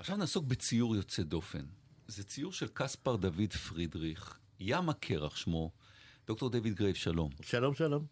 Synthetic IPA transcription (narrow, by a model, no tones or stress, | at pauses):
ʔaχʃavnaːso̞k̚bet͡sijuʁjo̞t͡sedo̞fe̞̰nzet͡sijuʁʃelkaspaʁd̪avidfʁidʁiχ | jamakʰeʁa̰χʃmod̥o̞k̚to̞ʁd̪evid̚ɡʁejvʃalo̞̰mʃalomʃalom